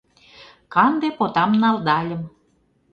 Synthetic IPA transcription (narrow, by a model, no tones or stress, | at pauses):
kɑnd̪epot̪ɑmnɑld̪ɑlʲə̆m